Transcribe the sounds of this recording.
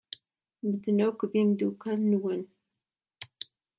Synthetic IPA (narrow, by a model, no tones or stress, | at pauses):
məd̪nʊkðimd̪ukælnwən